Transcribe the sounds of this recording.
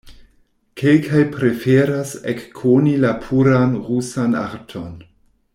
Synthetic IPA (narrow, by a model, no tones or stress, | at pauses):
kʰelkʰajpɾe̞feɾasekːʰonilapʰuɾanʁusana̰ɾtʰo̞n